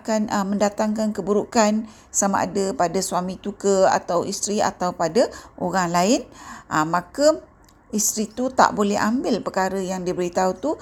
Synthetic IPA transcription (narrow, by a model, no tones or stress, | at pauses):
kanəmə̃ndat̪aŋkankəbuɾukan | sama̰ʔa̰dapadasuamĩt̪ukəa̰t̪awʔist̪ɾia̰t̪awpadaʔoɾaŋlaɪnʔəmãkə | ist̪ɾit̪ut̪a̰ʔbolɛɦʔambɪlpəkaɾəjaŋdibəɾit̪aut̪u